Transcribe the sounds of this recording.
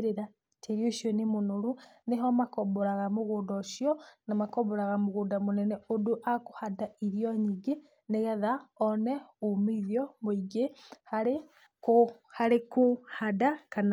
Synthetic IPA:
ɾeɾa | tʰeɾjoʃjɔnimonoɾuneɦɔmakɔβɔɾaɣamoɣoːdɔʃjɔnamakɔβɔɾaɣamoɣoːndamonɛnɛodoʔako̥hadaiɾjɔɲiɡe | neɣɛðaɔnɛumeiðjɔmoiɡehaɾe | k | haɾekohadakan

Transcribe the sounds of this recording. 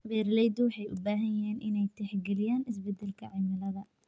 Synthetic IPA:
βɛːɾlɛjd̪wɑħɑjʔʊbaːɦɐjjɐɦɛːnʔɪ̰nɛjt̪ʰɛħɡɛlɪjaːnɪs̬bɛd̪ːɛlkʰɐʕɪmɪlɐðɐ

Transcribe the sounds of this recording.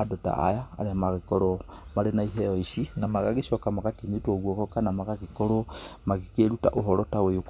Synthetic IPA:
adota̰a̰ja̰ːɾeamaɣekoɾo | maɾenaiɦɛɔisinamaɣaɣisɔkamaɣatiɲitwoɣwokɔkanamaɣaɣikoɾomaɣikeɾuta̰ʔoɦɔɾotaweok

